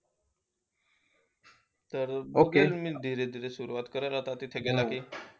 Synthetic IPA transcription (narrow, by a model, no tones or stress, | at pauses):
t̪əɾboukelmiːd̪ʱiɾed̪ʱiɾesuɾuʋat̪kəɾalat̪at̪it̪ʰeɡɛlakiː